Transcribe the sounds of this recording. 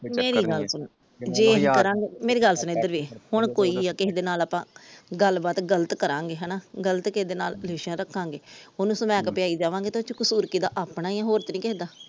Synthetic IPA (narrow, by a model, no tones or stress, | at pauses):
meːɾiːɡəlsʊn | d͡ʒeːkəɾãːŋɡeːmeːɾiːɡəlsʊneːd̪əɾʋiːhʊɳkoːiːaːkɪɦd̪eːnaːlaːpãːɡəlbaːt̪ɡələt̪kəɾãːŋɡeːɦɛːnaːɡələt̪kɪsd̪eːnaːlleːʃjãːɾəkʰːãːŋɡeːonũːsəmɛ̃ːkpɪjaːiːd͡ʒaːʋãːŋɡeːt̪ːt͡ʃkʊsuːɾkiːd̪aːʔaːpnaːijãɦoːɾt̪nĩːkɛɦd̪aː